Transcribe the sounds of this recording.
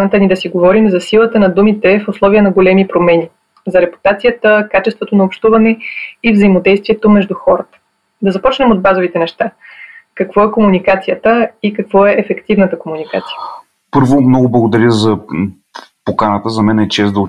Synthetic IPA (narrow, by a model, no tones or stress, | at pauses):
nət̪ənid̪ɐsiɡovɔɾimzɐsilˠət̪ənɐd̪umit̪ɛfoslˠɔvijənɐɡolɛmipɾomɛnʲi | zɐɾɛpu̥t̪at̪sijət̪əkat͡ʃɛst̪vot̪onɐopʃt̪uvɐnɛivzɐimod̪ɛjst̪vʲiɛt̪omɛʒd̪uxɔɾət̪ə̥ | d̪ɐzɐpɔt͡ʃnɛmod̪̚bazovit̪ɛnɛʃt̪akɐkvɔɛkomunikat̪sijət̪əikɐkvɔɛʔːfɛkt̪ivnət̪əkomunika̰t̪si̥jə | pɤɾvomnɔɡʊblˠɐɡod̪ɐɾʲjəzɐ | pokanət̪əzɐmɛnɛt͡ʃɛsd̪ɐ